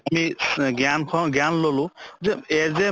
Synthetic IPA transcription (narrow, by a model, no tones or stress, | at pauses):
amiɡankʰɔɡanlolʊ̃zɛɛzɛ